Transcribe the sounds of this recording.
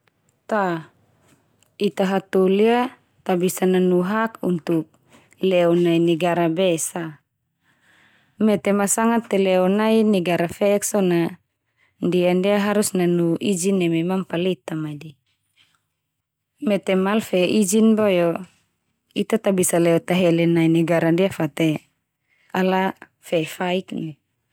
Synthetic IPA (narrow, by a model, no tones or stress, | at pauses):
t̪a | it̪aɦat̪olia | t̪abisananuɦakunt̪uk̚ | lɛɔnainɛɡaɾabɛsa | mɛt̪ɛmasaŋat̪ːɛlɛɔnainɛɡaɾafɛɛksɔna | ndiandiaɦaɾusnanuʔid͡ʒinːɛmemampalit̪amadi | mɛt̪emalfɛʔid͡ʒinbojo | it̪at̪abisalɛot̪aɦelɛnainiɡaɾandiafat̪e | ala | fefaikni